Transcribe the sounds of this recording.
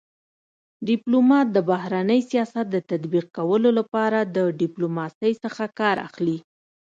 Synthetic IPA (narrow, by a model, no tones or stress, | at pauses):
ɖɪplomɑt̪̚d̪əbahɾanəjsijɑsat̪̚d̪ət̪ad̪biq̚kawəlolapɑɾad̪əɖɪplomɑsəjsəxakɑɾa̰xli